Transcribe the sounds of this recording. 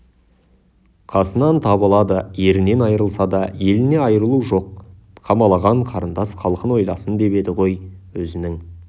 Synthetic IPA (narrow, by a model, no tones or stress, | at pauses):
qʰɑsənɑnt̪ʰɑbəlˠɑd̪əje̞ɾɪne̞nɑjəɾəlˠsɑd̪ɑje̞lɪne̞ɑjəɾəlˠuʒo̞q | qʰɑmɑlˠɑʁɑɴqʰɑɾənd̪ɑsχɑlˠqənwo̞jlˠɑsənd̪e̞be̞d̪ɪʁo̞jwɵzɪnɪŋ